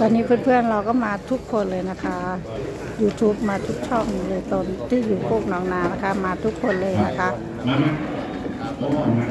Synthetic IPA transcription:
t̪ɔː˧nːiː˦˥pʰɯː˥˩npʰɯ˥˩ənɾa˧wkɔː˥˩maː˧t̪ʰu˦˥kʰːo˧nlɤː˧jna˦˥kʰa˦˥ | juː˧t̪ʰuː˦˥p̚maː˧t̪ʰu˦˥k̚t͡ɕʰɔ˥˩ŋlɤː˧jt̪o˧nt̪ʰiː˥˩juː˨˩pʰu˥˩k̚nɔː˩˦ŋnaː˧˥na˦˥kʰa˦˥maː˧t̪ʰu˦˥kʰːo˧nlɤː˧jna˦˥kʰa˦˥ʔ

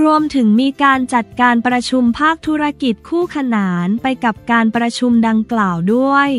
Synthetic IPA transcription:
ɾu˧əmt̪ʰɯ˩˦ŋmiː˧kaː˧nt͡ɕa˨˩t̪̚kaː˧npɾa˧t͡ɕʰu˧mpʰaː˥˩k̚t̪ʰuː˦˥ɾa˧ki˨˩t̪̚kʰuː˥˩kʰa˧naː˩˦npa˧jka˨˩p̚kaː˧npɾa˧t͡ɕʰu˧mda˧ŋklaː˨˩wdu˥˩əj

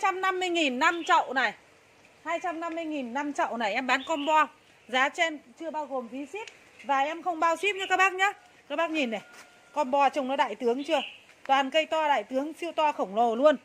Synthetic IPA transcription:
t͡ɕa˧mna˧mːɨ˧əjŋi˨˩nːa˧mt͡ɕɔ̰˧˨wna˨˩j | haː˧jt͡ɕa˧mna˧mːɨ˧əjŋi˨˩nːa˧mt͡ɕa̰˧˨wna˨˩jʔɛ˧mɓaː˨˦nkɔ˧nɓɔ˧ | zaː˨˦t͡ɕɛ˧nt͡ɕɨ˧əɓaː˧wɣo˨˩mvi˨˦si˦˥p̚ | vaː˨˩ʔɛ˧mxə˧wŋ͡mɓaː˧wsi˦˥p̚ɲɨ˨˦kaː˦˥k̚ɓaː˦˥k̚ɲaː˨˦ | kaː˦˥k̚ɓaː˦˥k̚ɲi˨˩nːa˨˩j | kɔ˧nɓɔ˧t͡ɕə˧˩wŋ͡mnɔ˨˦ɗa̰ː˧˨jt̪ɨ˨˦əŋt͡ɕɨ˧ə | t̪waː˨˩nkə˧jt̪ɔ˧ɗa̰ː˧˨jt̪ɨ˨˦əŋsi˧əwt̪wɔ˧xə˧˩wŋ͡mlo˨˩lu˧ən

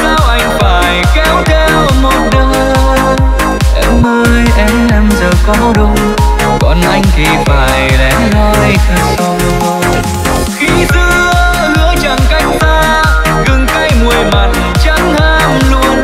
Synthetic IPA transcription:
saː˧wʔa˧˩jŋ̟faː˨˩jkɛ˨˦˥wt̪ʰɛ˧wmo˨˩t̚ɗəː˨˧ | ʔɛ˧˩mːəː˧jʔɛ˧˩mʔɛ˧mzəː˨˩kɔ˨˦ɗʊ˧ŋ͡m | kɔ̰˨˩nʔa˧jŋ̟ki˨˩vaː˨˩jlɛ̰˧˨˩haː˧t̪i˧˩sɔ˧ | xi˧˦t̪ɨ˧ə˧ | nɨ̰˧˥ət͡ɕə˨˩ŋka˧˦jŋ̟t̪aː˧ | ɣɨ˨˩ŋka˧jmu˨˩əjma˨˩t̚t͡ɕa˨˦ŋhaː˧mlu˧ən

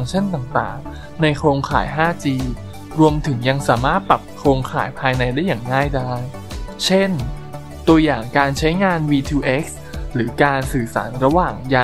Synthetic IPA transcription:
ŋt͡ɕʰa˥˩nt̪aː˨˩ŋt̪a̰ː˨˩ŋ | na˧jkʰɾoː˧ŋkʰaː˩˦jɦaː˥˩t͡ɕiː˧ | ɾu˧əmt̪ʰɯ˩˦ŋja˧ŋsaː˩˦maː˥˩t̪̚pɾa˨˩p̚kʰɾoː˧ŋkʰaː˩˦jpʰaː˧jna˧jdaː˥˩jaː˨˩ŋːaː˥˩jdaː˥˩j | t͡ɕʰe˥˩n | t̪u˧ɐjaː˨˩ŋkaː˧nt͡ɕʰa˦˥jŋaː˧nwiː˧t̪ʰuː˧ʔe˦˥k̚s | ɾɯː˩˦kaː˧nsɯː˨˩sa̰ː˩˦nɾa˧waː˨˩ŋjaː˧

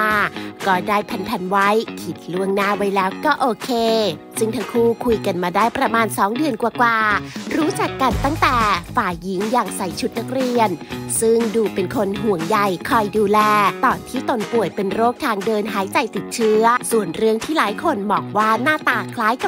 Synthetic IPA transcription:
aː˧kɔː˥˩daː˥˩jpʰɛ˧npʰɛ˧nwa˦˥jkʰi˨˩t̪̚lu˥˩əŋnaː˥˩wa˦˥jlɛː˦˥wkɔː˥˩ʔoː˧kʰeː˧ | sɯ˥˩ŋt̪ʰa˦˥ŋkʰuː˥˩kʰu˧jka˧nmaː˧daː˥˩jpɾa˧maː˧nsɔː˩˦ŋdɯ˧ənkwaː˨˧˩kwaː˨˧ɾuː˦˥t͡ɕa˨˩kːa˧nt̪a˥˩ŋt̪ɛː˨˩faː˨˩ji˩˦ŋjaː˨˩ŋsa˨˩jt͡ɕʰu˦˥t̪̚na˦˥k̚ɾi˧ənsɯ˥˩ŋduː˧pe˧nkʰo˧nɦu˨˩˦əŋja˨˩jkʰɔ˧˩jduː˧lɛː˧t̪ɔː˨˩nt̪ʰiː˥˩t̪o˧npu˨˩əjpe˧nɾoː˥˩k̚t̪ʰaː˧ŋdɤː˧nɦaː˩˦jt͡ɕa˧˩jt̪i˨˩t̪̚t͡ɕʰɯ˦˥əsu˨˩ənɾɯ˥˩əŋt̪ʰiː˥˩laː˨˩˦jkʰo˧nmɔː˨˩ŋ̚waː˥˩naː˥˩t̪aː˧kʰlaː˦˥jka˨˩

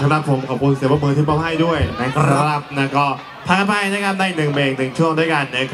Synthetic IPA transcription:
t͡ɕʰːnɾa˨˧˩pʰo˩˦mkʰɔː˨˩p̚kʰu˧nsi˨˩˦ba˧˥mɯː˧t̪i˥˩pɔː˧˩ɦa˥˩jdu˥˩əjna˦˥˩kɾa˧ɾa˦˥˩p̚na˦˥˩kɔː˥˩ | pʰaː˦˥˧pʰa˧˩˨na˥k̚ŋa˧˥˩ndaː˥˩jnɯ˨˩ŋmeː˧ŋt̪ʰɯ˨˩ŋt͡ɕʰu˥˩əŋdu˥˩jka˧nːɯ˦˥˩kʰ

